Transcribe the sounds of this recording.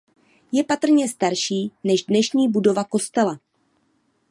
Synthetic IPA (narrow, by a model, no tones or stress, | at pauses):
jɛpat̪r̩ɲɛst̪aɾʃiːnɛʒdnɛʃɲiːbudo̞vako̞st̪ɛla